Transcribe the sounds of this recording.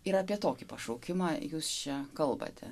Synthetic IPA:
ɪɾɑːpʲiɛt̪oːkʲipɐʃoʊkʲɪmɑːjuːst͡ʃʲɛkɐlˠbɐ̰t̪ʰʲɛ

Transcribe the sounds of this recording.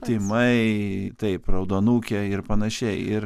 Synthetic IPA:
t̪ʲɪmɐɪt̪ɐɪprɐʊd̪oːnuːkʲɛɪɾpɐnɐʃʲɛɪɪɾ

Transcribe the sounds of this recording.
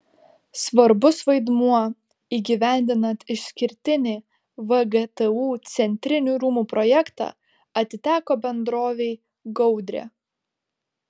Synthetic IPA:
sʋɐɾbʊsʋɐɪd̪muɔ | iːɡʲiʋʲæˑnʲd̪ʲɪnɐnt̪ɪʃsʲkʲɪɾʲt̪ʲɪnʲiː | ʋɐɡɛt̪ɛuːt̪sʲɛnʲt̪ʲɾʲɪnʲuːɾuːmuːpɾɔjɛkt̪ɑ̰ː | ɐt̪ʲɪt̪ʲæːkoːbʲɛnd̪ɾoːʋʲɛɪ | ɡɔʊd̪ʲɾʲḛ

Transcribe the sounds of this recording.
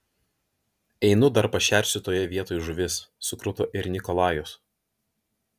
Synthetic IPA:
ɛɪnʊd̪ɐɾpɐʃʲæˑɾʲsʲʊt̪oːjɛʋʲiɛt̪oːjʊʒʊʋʲɪsːʊkɾʊt̪oːʔɪɾʲnʲɪkɔlˠɑːjɔs

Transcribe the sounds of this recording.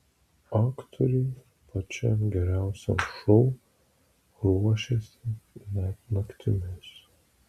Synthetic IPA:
ɑːkt̪ʰɔɾʲɛɪ | pɐt͡ʃʲɛɡʲɛɾʲæˑʊsʲɛ̰mʃɔʊ | ɾuɔʃʲɛsʲɪnʲɛt̪nɐkt̪ʲɪmʲes

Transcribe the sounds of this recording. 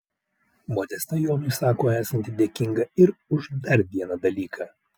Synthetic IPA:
moːd̪ʲɛst̪ɐjoːmʊɪsɑːkoːæːsɐnʲt̪ʲɪd̪ʲeɛːkʲɪŋɡɐɪɾʊʒd̪ɐɾʋʲiɛnɐd̪ɐlʲiːkʰɑː

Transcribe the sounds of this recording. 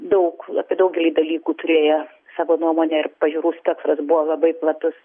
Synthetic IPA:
d̪ɐʊkɐpʲiɛd̪ɐʊk̚ɡʲɛlʲiːd̪ɐlʲiːkuːt̪ʊɾʲeːjo | sɑːʋoːnuɔmoːnʲɛɪrpɐʒʲuːɾuːst̪ʲɛksɾɐsbʊʋolˠɐbɐɪplˠɐt̪ʊs

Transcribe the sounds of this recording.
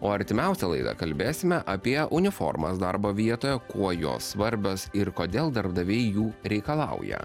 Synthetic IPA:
oːɐɾʲt̪ʲɪmʲɛˑʊsʲɛlˠɐ̰ɪd̪ɐ̰kɐlʲbʲeːsʲɪmʲɛʔɐpʲiɛʔʊnʲɪfɔ̰ɾmɐsd̪ɐɾboːʋʲiɛt̪oːjɛkuɔjo̰ːsʋɐɾʲbʲoːsɪɾkoːd̪ʲeːlˠd̪ɐɾbd̪ɐʋʲɛɪjuːɾʲɛɪkɐlˠɑʊjɛ̰

